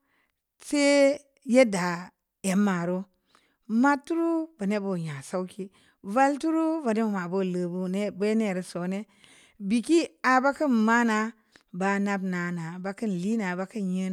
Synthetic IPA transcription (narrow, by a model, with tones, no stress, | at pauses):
se˦ | je˦da˨ | e˨mːa˨ɾo˦ | ma˦tːu˦ɾu˦ba˨ne˦bo˦˨ɲa˨sa˦wkʰi˦ | va˦ltu˦ɾu˦va˨ne˦mu˨ma˨bo˦˨lə˨bu˦ne˦be˦ne˦˨ɾe˨so˨˦ne˦ | bi˨ki˦a˨ba˦kə˦nma˦na˨ | ba˨na˦bna˨na˨ba˦kɨ˦n˨li˦na˨ba˨˦ki˦njə˦˨